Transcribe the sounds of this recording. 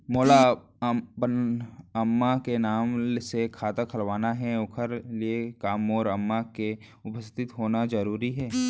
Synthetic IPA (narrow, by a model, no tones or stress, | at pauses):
moːla | bənəmːakenaːmsekʰaːt̪akʰəlʋaːnaɦɛʊkʰəɾliekaːmːoːɾɐmːake | ʊpəst̪ʰɪt̪ɦoːnazɐɾuːɾiɦɛː